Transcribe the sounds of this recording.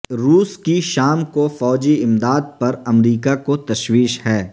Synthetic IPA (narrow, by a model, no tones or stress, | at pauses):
ɾuːskiʃaːmkofɔːd͡ʒiɪmd̪aːd̪̚pɐɾɐmɾiːkakot̪ɐʃwiːʃhɛː